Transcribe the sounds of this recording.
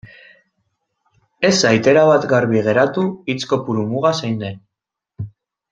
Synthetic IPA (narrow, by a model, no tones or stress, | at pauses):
e̞sajt̪e̞ɾaβat̪ɡaɾβiɣ̞e̞ɾat̪uit͡sko̞puɾumuɣasajnd̪e̞n